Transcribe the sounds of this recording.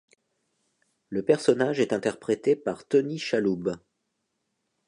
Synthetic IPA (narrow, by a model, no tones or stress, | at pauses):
ləpɛʁsɔnaʒɛt̪ɛ̃t̪ɛʁpχet̪epaʁt̪ɔniʃalub